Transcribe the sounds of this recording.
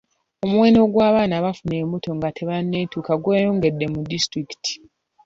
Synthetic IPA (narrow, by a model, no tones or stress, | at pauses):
o̞muwe̞ːno̞ɡwaːβaːnaβafune̞ːmbuto̞ŋɡatʰe̞βanːe̞ːtuːkaɡweːjoːŋɡe̞dːe̞mudistɾiki̥ti̥